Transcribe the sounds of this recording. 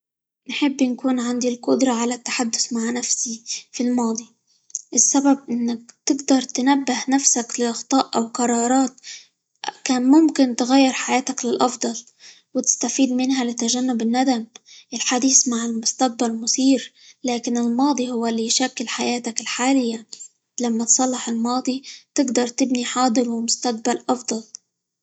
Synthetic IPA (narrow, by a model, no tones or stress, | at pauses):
nħɪbːnkuːnʕand̪ilqʊd̪ɾˤɑʕalat̪ːḁħad̪ːʊθmaʕnafsifilmɑːd̪ˤi | ʔɪsːabab̚ʔɪnːak̚t̪ɪɡd̪ɑɾˤt̪ɪnabːɪhnafsaklɪʔɑxt̪ˤɑːʔʔawqɑɾˤɑːɾˤɑːt̪ | kaːnmʊmkɪnt̪ɪɣajːɪɾˤħajaːt̪aklɪlʔɑfd̪ˤɑl | wɪt̪ɪ̥st̪afiːd̪̚mɪnɦalɪt̪aʒanːʊbɪnːad̪amʔɪlħad̪iːsmaʕɪlmʊst̪aq̚balmʊsiːɾ | laːkɪnɪlmɑːd̪ˤihʊwːalːijʃakːɪlħajaːt̪akɪlħaːlɪjːa | lamːat̪sˤɑlːɪħɪlmɑːd̪ˤit̪ɪɡd̪ɑɾˤt̪ɪbniħɑːd̪ˤɨɾwɪmʊst̪aq̚balʔɑfd̪ˤɑl